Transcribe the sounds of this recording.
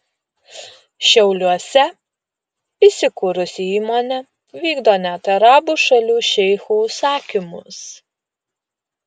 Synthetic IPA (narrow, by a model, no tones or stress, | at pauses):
ʃʲɛʊlʲuɔsʲɛ | isʲɪkʊɾʊsʲɪiːmoːnʲɛ | ʋʲiːɡd̪oːnʲɛt̪ɐɾɑːbuʃɐlʲuːʃʲɛɪxusɑːkʲɪmʊs